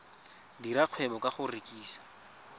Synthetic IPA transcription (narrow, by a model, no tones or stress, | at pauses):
diɾaq͡χʰwɛbɔkʼaχʊrekʼiːsḁ